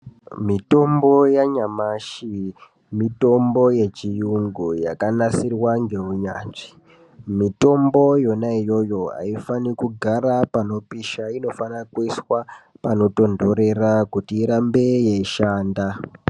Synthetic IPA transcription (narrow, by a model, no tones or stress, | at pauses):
mito̞mbo̞jaɲamaʃi | mito̞mbo̞je̞t͡ʃijuŋɡujakanasirwaŋɡe̞uɲa̰ːt͡ʂi̥ | mito̞mbo̞jo̞naijo̞jo̞ɦa̰ifanikuɡʱaɾapano̞piʃaino̞fanakuiswapano̞to̞ndo̞ɾe̞rakutiːɾambe̞jeiʃaːnda